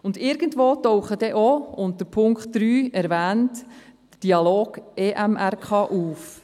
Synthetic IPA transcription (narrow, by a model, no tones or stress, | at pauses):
ʊndɪːɾɡ̥əntʋoːtɔwχəd̥ɛʔoʊntd̥əɾpʰʊŋkχtd̥ɾyːɛɾʋæːntd̥əd̥iɑloːɡ̥eːʔæmʔærkʰɑːʔuːf